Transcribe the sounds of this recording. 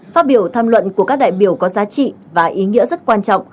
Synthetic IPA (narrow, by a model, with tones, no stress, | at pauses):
faː˦˥t̚ɓi˧˩əwt̪ʰaː˧mlwə̰˧˨nku˧˩əkaː˦˥k̚ɗa̰ː˧˨jɓi˧˩əwkɔ˨˦zaː˨˦t͡ɕḭ˧˨ | vaː˨˩ʔi˨˦ŋḭ˧˥əzə˦˥t̚kwaː˧nt͡ɕɔ̰˧˨wŋ͡m